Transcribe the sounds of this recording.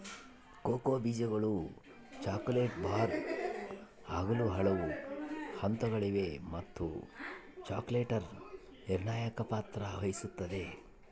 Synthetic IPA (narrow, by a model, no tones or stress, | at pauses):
koːkoːbiːd͡ʒɐɡɐɭu | t͡ʃaːkuleːʈbʱaːɾ | aːɡɐluɦɐɭɐʋuhɐnt̪ɐɡɐɭiʋe̞mɐt̪ːu | t͡ʃaːkleːʈɐɾ | niɾɳaːjɐkɐpaːt̪ɾɐʋɐjisut̪ːɐd̪e̞